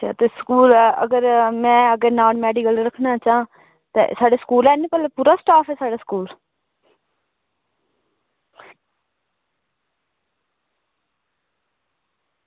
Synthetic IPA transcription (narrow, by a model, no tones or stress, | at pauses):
a̰ːt̪eːskuːləɡəɾmɛ̃ːəɡəɾnaːnmɛːɖikəlɾəkʰnaːt͡ʃaː | t̪ḛːsaːɖeːsə̥kuːlɛːnĩːpəleːpuːɾaːsʈaːfʰɛːsaːɖaːskuːl